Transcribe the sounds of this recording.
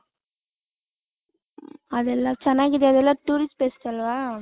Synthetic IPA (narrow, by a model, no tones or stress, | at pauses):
ɐðɛlːãt͡ʃɛnːaːkɪðeɐðɛlːãːʈuːɾɪsʈpeːsɯ̥kɐlːʋãː